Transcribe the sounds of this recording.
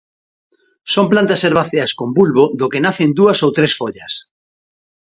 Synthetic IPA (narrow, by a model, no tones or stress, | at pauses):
somplant̪aseɾβaθeaskombulβoðokenaθend̪uasowt̪ɾesfoʎɐs